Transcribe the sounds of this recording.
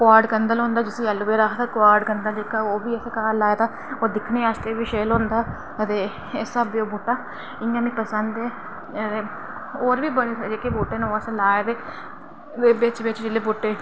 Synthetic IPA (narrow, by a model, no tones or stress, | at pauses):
kʊaːɾɖkənd̪əlɦõːnd̪aːd͡ʒɪsiːɛlːubeːɾaːkd̪aːkaːɾɖkənd̪aːlikaːoːʋiːeseːkaːɾlaːjt̪aː | oːd̪ɪkʰneːaːst̪eːʋiːʃeːlõːnd̪aː | ət̪eː | esəbioːbuʈːaː | ɪŋɡãːmĩpəsənd̪eː | ət̪eː | oːɾʋiːbəd͡ʒekeboːʈːeːnːoːsẽlaːd̪eː | d̪eːbɪt͡ʃʋɪt͡ʃd͡ʒɪleːboːʈːeː